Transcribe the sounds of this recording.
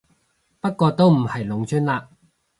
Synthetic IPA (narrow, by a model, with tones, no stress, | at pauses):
pɐ˥t̚kːɔː˧t̪o˥wm̩˨˩hɐ˨˩jlʊ˨˥ŋt͡ʃʰy˥nlaː˧